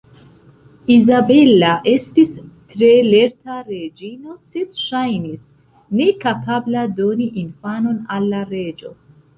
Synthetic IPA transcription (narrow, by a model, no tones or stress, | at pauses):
izabe̞laʔe̞stistɾe̞le̞ɾtaɾe̞d͡ʒino̞sedʃajnis | ne̞kapʰablado̞niʔinfano̞nalːaɾe̞d͡ʒo̞